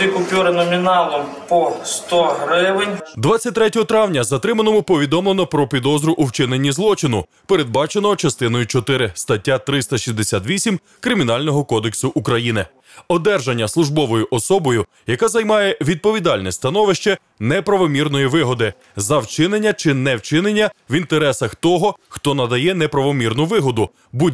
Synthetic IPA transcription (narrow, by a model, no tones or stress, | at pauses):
ikʊpʲuɾɪnɔmʲinɑlˠɔmpɔst̪ɔɦɾɪʋɪnʲd̪ʋɑt͡sʲːɐtʲt̪ɾɛtʲɔɦɔt̪ɾɑwnʲɐzɐt̪ɾɪmɐnɔmʊpɔʋʲid̪ɔmlˠenɔpɾɔpʲid̪ɔzɾʊʔuwt͡ʃɪnenʲːizlˠɔt͡ʃɪnʊ | pe̞ɾed̪̚bɑt͡ʃenɔt͡ʃɐst̪ɪnɔjʊt͡ʃɔt̪ɪɾɪst̪ɐtʲːat̪ɾɪst̪ɐʃizd̪esʲat̪ʋʲisʲim | kɾɪmʲinɑlʲnɔɦɔkɔd̪eksʊʔukɾɐjinɪ | ɔd̪ɛrʒɐnʲːɐslˠʊʒbɔʋɔjʊʔɔsɔbɔjʊ | jɐkazɐjmɑjɛʋʲid̪̚pɔʋʲid̪ɑlʲnɛst̪ɐnɔʋɪʃt͡ʃɛ | nɛpɾɐʋɔmʲirnɔjiʋɪɦɔd̪ɪ | zɐwt͡ʃɪnenʲːɐt͡ʃɪnɛwt͡ʃɪnenʲːɐʋint̪eɾɛsɐxt̪ɔɦɔxt̪ɔnɐd̪ɐjɛnɛpɾɐʋɔmʲirnʊʋɪɦɔd̪ʊ | bu